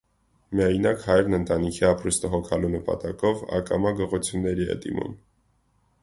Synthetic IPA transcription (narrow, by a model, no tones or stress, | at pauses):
miɑjnɑkhɑjɾnənt̪ɑnikʰiɑpɾust̪əɦɔkʰɑlunəpɑ̰t̪ɑkɔvɑ̰kɑ̰mɑɡəʁɔt͡sʰjunːɛɾiɛ̰d̪ḭmṵn